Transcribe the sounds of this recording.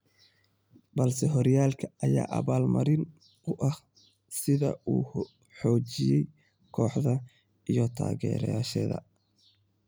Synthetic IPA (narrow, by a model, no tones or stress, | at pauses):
bɐlsɛɦɔɾjaːlkʰɐɐjaːʔɐβaːlmɐ̰ɾɪn | ʊʔɐh | sɪðɐuː | ħɔːt͡ʃɪjɛj | kʰɔːħðɐ | ijɔt̪ʰa̰ːɣɛ̰ːɾɛ̰jaːʃɛ̰ːðɐ̰